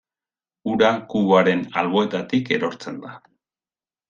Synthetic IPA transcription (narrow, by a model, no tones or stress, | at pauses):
uɾakuβaɾe̞nalβo̞e̞t̪at̪ike̞ɾo̞ɾt͡se̞nd̪a